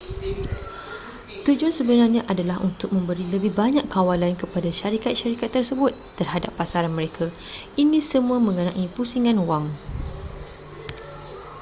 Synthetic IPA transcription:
t̪ud͡ʒuansəbənarɲãʔadalaɦunt̪ʊk̚mə̃mbəɾiləbɪhbaɲakkːawalankəpadaʃaɾikat̪̚ʃaɾikat̪ːərsəbʊt̪ːərɦadapːasaɾanmə̃ɾekʰainĩsəmũamə̃ŋənãʔipusiŋãnwaŋ

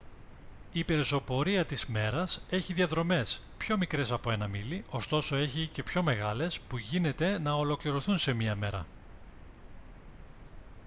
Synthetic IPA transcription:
ipe̞ɾzo̞po̞ɾiɐt̪izme̞ɾɐse̞çiðiɐðɾo̞me̞s | pço̞mikɾe̞sɐpo̞e̞nɐmiliʔo̞st̪o̞so̞e̞çice̞pço̞me̞ɣɐle̞spuʝine̞t̪e̞nɐolo̞kliɾo̞θunse̞miɐme̞ɾɐ̰

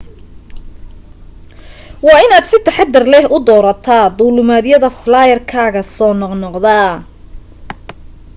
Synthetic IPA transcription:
wɑːɪnaːd̪sɪt̪ʰɐħɑd̪ɪrlɛɦʔʊd̪ɔːɾɐt̪ʰaːd̪ʊlʊmaːðjɐðɐflaːjɐrkʰaːɣɐsɔːnɔqnɔqðaː

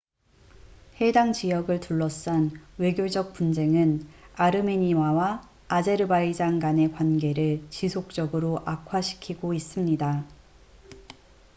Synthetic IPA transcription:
he̞daŋt͡ɕijʌɡɯɭtuɭːʌs͈anwe̞ɡjod͡ʑʌk̚p͈und͡ʑe̞ŋɯnaɾɯmeɲimawaː | d͡ʑe̞ɾɯbaid͡ʑaŋɡane̞kwanɡe̞ɾɯɭt͡ɕisʰok̚t͡ɕ͈ʌɡɯɾoʔakʰwaɕʰi̥kʰiɡois͈ɯmɲida

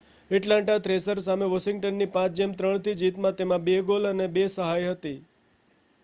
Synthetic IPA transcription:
ɪʈlãɳʈat̪ɾesəɾsameʋəʃɪŋɡ̚ʈənːipãt͡ʃd͡ʒemt̪ɾəɳ̃t̪id͡ʒit̪mãt̪emãbeɡolənebesəɦajɦət̪i

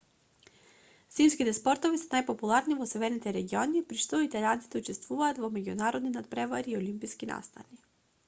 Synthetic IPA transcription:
simskit̪ɛspɔɾt̪ovisɛnajpopulˠaɾnivɔsɛvɛɾnit̪ɛɾɛɡiɔniːpɾiʃt̪ɔit̪alʲant̪i̥t̪ɛut͡ʃɛst̪vuvaːt̪vɔmɛɟunaɾɔd̪ninat̪̚pɾɛvaɾiːolimpiskina̰st̪a̰ni

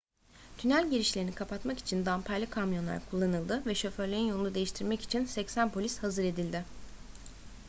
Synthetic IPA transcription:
t̪ʰynælʲɟeɾiʃlʲeinikʰapat̪maki̥t͡ʃʰind̪ampʰajlʲˠɯkʰamjo̞nlˠa̰ɾkʰulˠːanɯlˠd̪ɯvɛʃø̞fø̞ɾlʲejinjo̞lˠunud̪e̞jiʃt̪ʰiɾmɛci̥t͡ʃʰinsɛcsænpʰo̞lʲishazɯɾe̞d̪ilʲd̪ɪ

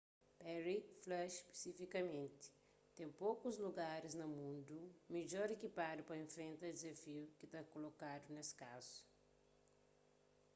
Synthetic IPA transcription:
pɛɾiflɐʃpe̥sifikɐmẽnt̪i̥ | t̪ẽj̃pokuzluɡaɾiznɐmũnd̪umeʎɔɾekipad̪upɐẽfɾẽnt̪ɐd̪izɐfiukit̪akolokad̪uneskazu̥

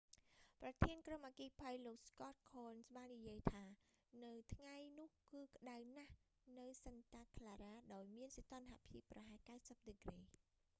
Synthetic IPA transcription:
prɑt̪ʰiənkromʔaːkiːpʰəjloːk̚skɑt̪̚kʰoːnsɓaːnːijiəjt̪ʰaːnɨwt̪ʰŋajnʊ̆əhkɨːkə̆ɗawnah | nɨwsənt̪aːk̪ʰlaːɾaːɗaɔjmiənset̪ŏnɦaʔpʰiəpːrɑɦaɛlkawsəp̚ɗɨkreː

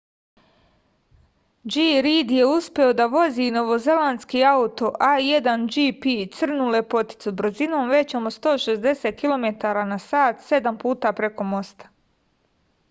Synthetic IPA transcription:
d͡ʒiːɾiːd̪je̞uspʲjeo̞d̪aʋo̞ziːno̞ʋo̞ze̞land̪skiːaut̪o̞ʔajed̪and͡ʒipit̪sr̩nulepo̞t̪i̥t̪subɾ̩zino̞ːmʋe̞t͡ɕomost̪o̞ːʃezd̪eseːt̪̚kilo̞me̞t̪aːɾanasaːt̪se̞d̪ampuːt̪aːpɾe̞ko̞mo̞st̪ḁ

